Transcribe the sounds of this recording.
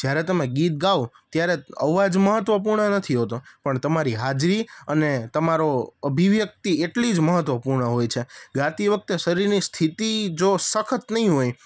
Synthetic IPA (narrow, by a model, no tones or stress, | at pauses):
d͡ʒjaɾet̪əmeɡit̪̚ɡao | t̪jaɾeə̰ʋad͡ʒməɦət̪ʋəp̬uɾɳənət̪ʰiɦot̪opəɳt̪əmaɾiɦad͡ʒɾiənet̪əmaɾoəbʱiʋjək̚t̪ieʈlid͡ʒməɦət̪ʋəpuɾɳəɦojt͡ʃʰeɡãt̪iʋək̚t̪eʃəɾiɾnist̪ʰit̪id͡ʒosəkʰət̪nəɦĩɦoj